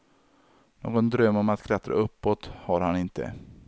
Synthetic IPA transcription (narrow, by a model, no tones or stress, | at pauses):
no̰ːɡɔnd̪ɾœmːɔmat̪kʰlat̪ɾa̰ɵpːɔt̪haɾhanɪnt̪ʰə̰